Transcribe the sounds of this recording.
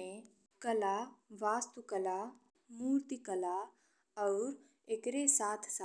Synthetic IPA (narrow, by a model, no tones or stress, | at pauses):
ẽ | kəlaʋaːst̪ukəla | muːɾt̪ikəla | ɔʊɾ | ekɾesaːt̪ʰs